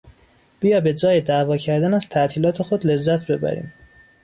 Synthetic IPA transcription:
b̥ijɒːbe̞d͡ʒɒːjed̪ævɒːcʰæɾd̪ænæz̥t̪ʰæʔt̪ʰiːlɒːt̪ʰe̞xo̞d̪le̞zːæt̪ʰbe̞bæ̰ɾḭːm

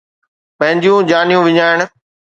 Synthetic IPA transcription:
pɐ̃ɦɪ̃ɲd͡ʑijũd͡ʑaːnijũʋɪɲaːɪɽ̃̆

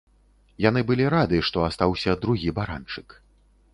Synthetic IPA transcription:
janɨbɨlʲiɾad̪ɨʂt̪ɔast̪awsʲɐd̪ɾuɣʲibaɾa̰nt͡ʂɨk

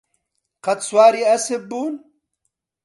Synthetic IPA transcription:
qɐt̪swaːɾiɐsebuːn

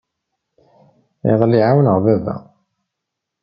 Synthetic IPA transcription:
ḭʁˤlːiʕawənəʁvævæ̰

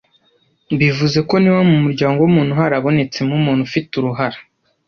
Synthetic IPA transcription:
bivuze̞ko̞niwamumuɾɟaːŋɡo̞wumuːn̥uɦaɾaβo̞ne̞t͡se̞mumuːn̥ufituɾuɦaɾḁ

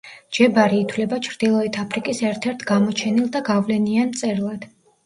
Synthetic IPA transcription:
d͡ʒɛbaɾiːt̪ʰwlɛbat͡ʃʰɾd̪̥ilˠɔit̪ʰapʰɾikʼisɛɾt̪ʰɛɾt̪ʰɡamɔt͡ʃʰɛnilˠd̪aɡavlɛniant̪sʼɛɾlˠad̪̥

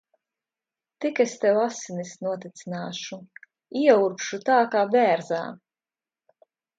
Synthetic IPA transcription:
t̪ikest̪ɛwasinisnuɔt̪it̪sinaːʃu | iɛuɾpʃut̪aːkaːbʲɛːɾza̰ː

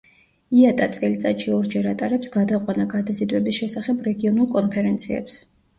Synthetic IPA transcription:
iat̪ʼat̪sʼɛlit̪sʼat̪ʃiɔɾd͡ʒɛɾat̪ʼaɾɛpsɡad̪aqʼwanaɡad̪azid̪wɛbisʃɛsaχɛbɾɛɡiɔnulˠkʼɔnpʰɛɾɛnt̪sʰiɛ̰ps

